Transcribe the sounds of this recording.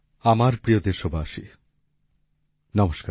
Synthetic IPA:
amaɾpɾijod̪eɾʃobʱaaʃi | nɔmoʃka

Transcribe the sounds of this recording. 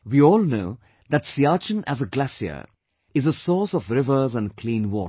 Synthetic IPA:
wiːɔːlˠnoʊ | ðɨtsiaːt͡ʃə̃næ̰zəɡlæsiə̰ | ɪzəsɔːsɔvɾɪvə˞zə̃nkʰlĩːnwɔ̰ː

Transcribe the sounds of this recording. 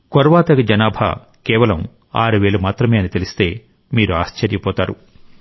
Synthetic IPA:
kɔɾʋaːt̪ɐɡɐd͡ʒɐnaːbʱa̰ | kɛːʋɐlɐm | a̰ːɾuʋe̞ːlumaːt̪ɾɐmeːɐnit̪elist̪e̞ː | miːɾuaːʃt͡ʃɐɾjɐpɔːt̪aːɾu

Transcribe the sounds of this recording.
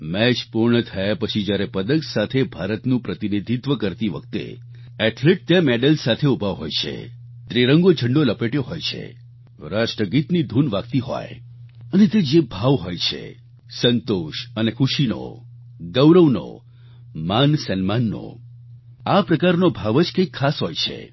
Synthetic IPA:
mɛt͡ʃpuɾɳət̪ʰajapət͡ʃʰid͡ʒjaɾepəd̪əksat̪ʰebʱaɾət̪nũpɾət̪inid̪ʱit̪ʋəkəɾt̪iʋə̰k̚t̪ḛ | ɛʈʰleʈ̚t̪jãmeɖəlsat̪ʰeubʱaɦojt͡ʃʰḛ | t̪ɾeɾə̃ŋɡod͡ʒʱəɳɖoləpeʈjoɦojt͡ʃʰḛ | ɾaʃʈɾəɡit̪nid̪ʱunʋakt̪iɦɔ̰j | ənet̪ed͡ʒebʱaʋɦojt͡ʃʰḛ | sənt̪oʃənekʰuʃino̰ | ɡəwɾəʋno̰ | mansənmanːo̰ | apɾəkaɾnobʱaʋəd͡ʒkekʰːasɦojt͡ʃʰḛ

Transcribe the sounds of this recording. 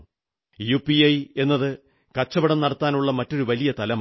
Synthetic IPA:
juːpiɐje̞nːɐðɨ | kɐt͡ɕːɐbɐɽɐmnɐɽɐt̪ːaːnuɭːɐmɐtːo̞ɾuʋɐlijɐt̪ɐlɐm

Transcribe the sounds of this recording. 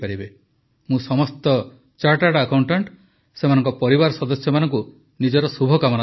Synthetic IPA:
paɾibe | mũsɔmɔst̪ɔ | t͡ʃaɾʈaɽakawɳʈaɳʈ | semanɔŋkɔpɔɾibaɾɔsɔd̪ɔsjɔmanɔŋku | nid͡ʒɔɾɔsubʱɔkamɔna

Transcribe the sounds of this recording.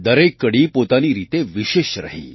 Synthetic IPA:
d̪əɾekːəɽiːpot̪aniːɾit̪eʋiɕeɕɾa̰ɦḭː

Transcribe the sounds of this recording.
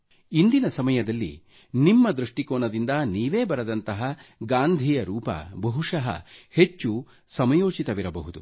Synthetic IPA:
ind̪inɐsɐmɐjɐd̪ɐlːḭ | nimːɐd̪ɾuʂʈikoːnɐd̪ind̪ɐniːʋe̞ːbɐɾɐd̪ɐnt̪ɐɦɐɡaːnd̪ʱijɐɾuːpɐ̰bɐɦuʂɐɦɐ̰he̞t͡ʃːu | sɐmɐjo̞ːt͡ʃit̪ɐʋiɾɐbɐɦud̪u

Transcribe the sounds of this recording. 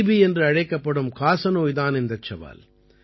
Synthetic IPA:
biɛndrɯɐɻɐɪkːɐpːɐɽɯmkaːsɐnoːjðaːnɪnd̪ɐt͡ʃːɐʋa̰ːl

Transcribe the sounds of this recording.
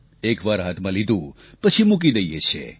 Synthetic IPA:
ekʋaɾɦat̪ʰmãlid̪ʱũ | pət͡ʃʰimuk̬id̪əjjet͡ʃʰḛ

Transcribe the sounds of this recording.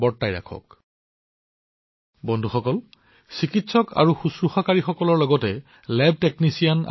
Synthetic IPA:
bɔɹtːajɹa̰kʰɔ̰k | bɔndʱuxɔkɔl | sikitsɔkʰa̰ɹuxusɹuxakaɹixɔkɔlɔɹlɔɡɔtɛ | lɛb̚ʱteknisijan

